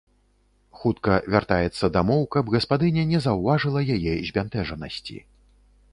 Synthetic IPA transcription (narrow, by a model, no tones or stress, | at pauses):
xut̪kɐvʲart̪ajɛt̪sːɐd̪amɔwkɐbɣɐspad̪ɨnʲɛnʲɛzɐwvaʐɨlˠɐjajɛzʲbʲant̪ɛʐɐnɐ̰sʲt͡sʲḭ